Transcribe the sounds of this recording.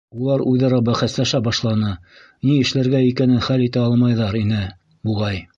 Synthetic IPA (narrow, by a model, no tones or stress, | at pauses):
ulˠɑɾʉðɑɾɑbæχæ̆slæʃæbɑʃlˠɑnɤniɘ̆ʃlæɾɡæikænɘnχælit̪æɑlˠmɑjðɑɾinɘ | buʁɑj